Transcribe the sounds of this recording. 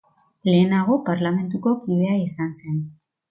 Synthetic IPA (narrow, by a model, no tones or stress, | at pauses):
le̞ːnaɣ̞o̞paɾlame̞nt̪uko̞kið̞e̞ajisanse̞n